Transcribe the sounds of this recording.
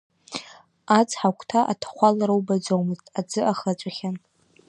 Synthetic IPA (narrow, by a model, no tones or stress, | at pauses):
at͡sʰʼħakʷʰtʰaʔatʰḁχʷalaɾɨwbad͡zowmɨztʼad͡zɨʔaχat͡ʃʷʼaχʲan